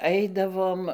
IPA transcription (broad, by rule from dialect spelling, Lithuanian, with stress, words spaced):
ˈɐɪdɐʋoːm